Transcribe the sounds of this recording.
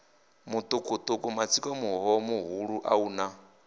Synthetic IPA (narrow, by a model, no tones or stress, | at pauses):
mut̪ʼukʼut̪ʼukʼumat͡sʰikʼɔmuɦɔmuɦuɺuʔa̰uːna